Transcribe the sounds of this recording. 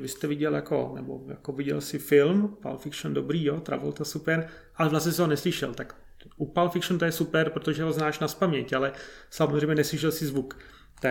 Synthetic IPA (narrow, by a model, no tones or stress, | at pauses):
vɪst̪ɛvɪɟɛljako̞̰nɛ̰bo̰ja̰kovɪɟɛ̰lsɪfɪlmpa̰lfɪkʃondobɾiːjot̪ɾa̰volt̪asupɛɾ | ʔalɛvlasɲɛs̬iɦonɛslɪʃɛ̰lt̪ak | ʔupalfɪkʃnt̪ojɛsupɛɾpɾot̪oʒɛɦo̞znaːʃnaspamɲɛcalɛsamozr̝ɛjmɲɛnɛslɪʃɛlsɪzvuk | t̪a